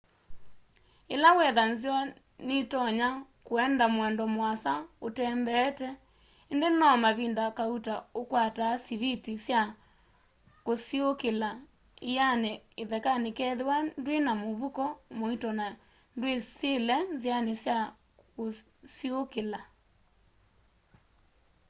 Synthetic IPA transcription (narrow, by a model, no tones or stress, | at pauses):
elawɛðanzjɔ | netɔɲakoɛndamwɛndɔmwasaotɛːmbɛtɛ | endenɔmaβiːndakautaokwataːsiβitisja | kosiokela | ianeeðɛkanekɛðewandwenamoβukɔmoitɔna | ndweselɛzjanesja | ko | siokela